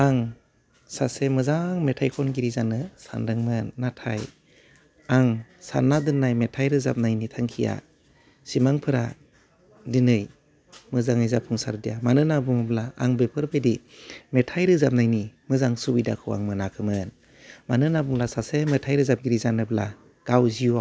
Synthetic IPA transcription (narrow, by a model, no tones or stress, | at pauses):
aŋ | sasemɯzaŋmetʰajkʰɔnɡiɾizanɯsa̰ndɯŋmɯnːatʰa̰j | aŋsa̰nːadɯnːajmetʰajɾɯza̰p̚najnitʰaŋkʰija̰ | simaŋpʰɯɾa | dinɯj | mɯzaŋizapʰuŋsa̰ɾdijamanɯnabuŋɯblaa̰ŋbepʰɯɾbɯjdi | metʰajɾɯzap̚najnimɯzaŋsuwida̰kʰɯwa̰ŋmɯnakʰɯmɯn | manɯnabuŋlasasemetʰajɾɯzap̚ɡiɾizanɯbla | ɡ̥awzia